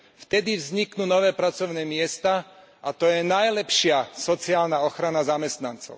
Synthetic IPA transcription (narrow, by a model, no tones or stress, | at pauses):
ft̪ɛd̪ivzɲiknuːnɔʋɛːpɾat͡sɔʊnɛːmɪɛst̪a | ʔat̪ɔjɛnajlɛpʃɪasɔt͡siaːlnaɔxɾanazamɛst̪nant͡sɔ̰ʊ